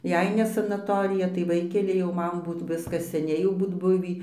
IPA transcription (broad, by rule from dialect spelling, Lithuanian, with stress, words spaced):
ˈjɛɪ nʲɛ sɐnɐˈtoːrʲɪjɛ tɐɪ ˈʋɐɪkʲɛlʲɪ jɛʊ ˈmɐn ˈbuːt ˈʋʲɪskɐs sʲɛˈnʲɛɪ jɛʊ ˈbuːt ˈbʊʋʲiː